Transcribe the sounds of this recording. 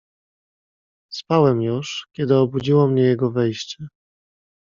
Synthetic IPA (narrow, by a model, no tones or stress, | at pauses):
spawɛmjuʂkʲɛd̪ɘɔbud͡ʑiwɔmɲɛjɛɡɔvɛjɕt͡ɕɛ